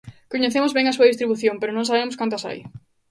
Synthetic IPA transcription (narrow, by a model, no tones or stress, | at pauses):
koɲeθemʊzβeŋɐsuɐðist̪ɾiβuθjõmpeɾʊnõŋsaβemʊskant̪ɐsa̰j